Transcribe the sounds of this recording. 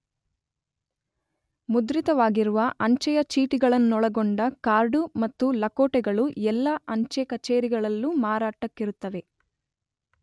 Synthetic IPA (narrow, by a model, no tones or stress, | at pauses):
mud̪ɾit̪ɐʋaːɡiɾuʋɐʔɐɲt͡ʃɐjɐt͡ʃiːʈiɡɐɭɐnːɔɭɐɡoɳɖɐkaːɾɖumɐt̪ːulɐkoːʈɛɡɐɭuɛlːɐʔɐɲt͡ʃekɐt͡ʃeːɾiɡɐɭɐlːumaːɾaːʈɐkːiɾut̪ːɐʋe̞